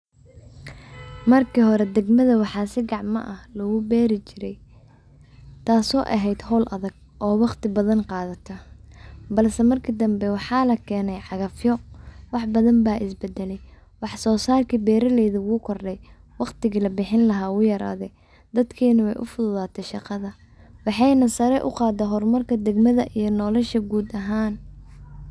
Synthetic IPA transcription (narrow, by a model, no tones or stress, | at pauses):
mɐrkʰiɦɔɾɛd̪ɛɡmɐðɐwɑħɑːsɪɡɑʕmɐ̰ʔɐhlɐɣʊbɛːɾɪt͡ʃɪɾɛj | t̪ʰaːsɔːʔɐɦɛjd̪hɔːlʔɐðɐɡ̚ | ʔɔːwɑqt̪ɪbɐðɐnqɑːðɐt̪ʰɐ | bɐlsɛmɐrkʰid̪ɐmbɛwɑħɑːlɐkʰɛːnɛjʕɑɣɐfjɔwɑħbɐðɐmbaːʔɪsbɛd̪ɛlɛj | wɑħsɔːsaːlkʰibɛːɾɐlɛjðɐwuːkʰɔrɖɛj | wɑqt̪ɪɣiːlɐbɪħɪnlɐɦaːwʊjɐɾa̰ːðɛ | d̪ɐd̪kʰɛːnɐwɛjʔʊ̰fʊðʊðaːt̪ʰɛʃɑqɑðɐ | wɑħɑjnɐsɐɾɛʔʊqɑːd̪ɛɦɔrmɐrkʰɐd̪ɛɡmɐðɐʔijɞnɔːlɛʃɐɡuːd̪ɐɦaːn